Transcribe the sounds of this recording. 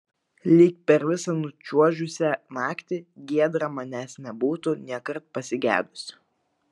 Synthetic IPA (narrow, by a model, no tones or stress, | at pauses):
lʲiːk̚pʲɛɾʋʲɪsɐnʊt͡ʃʲuɔʒʲʊsʲɛnɑːkt̪ʲɪɡʲiɛd̪ɾɐmɐnʲæːsnʲɛbuːt̪ʊnʲiɛkɐɾt̪̚pɐsʲɪɡʲæ̰ːd̪ʊsʲ